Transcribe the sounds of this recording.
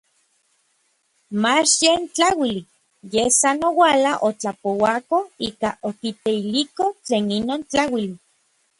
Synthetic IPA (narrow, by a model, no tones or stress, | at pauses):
mat͡ʃjent͡ɬawili | jesanowalaʔot͡ɬapowakoikaʔokit̪eilikot͡ɬeːninoːnt͡ɬawili